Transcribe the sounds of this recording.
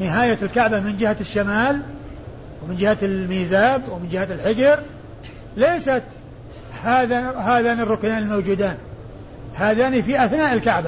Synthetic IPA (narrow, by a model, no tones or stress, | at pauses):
nɪɦaːjatɪlkaʕbamɪnd͡ʒɪhaʃːamaːl | wmɪnd͡ʒɪhaɪlmiːzaːbwmɪnd͡ʒɪhalħɪd͡ʒɑɾ | leːsat̪ | haːðaɦaːðaːnɪrˤːʊknaːnɪlmowd͡ʒuːd̪aːn | haːðaːnifiʔaθnaːʔɪlkaʕba